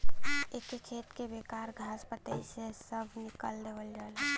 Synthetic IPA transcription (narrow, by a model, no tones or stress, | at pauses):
ekːekʰet̪kebekaɾɡʱasbət̪əisesəbʱnikəld̪eːʋəld͡ʒalɛ